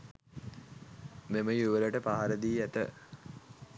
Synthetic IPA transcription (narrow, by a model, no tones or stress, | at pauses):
meməjuʋələʈəpaɦaɾəd̪iːæt̪ə̰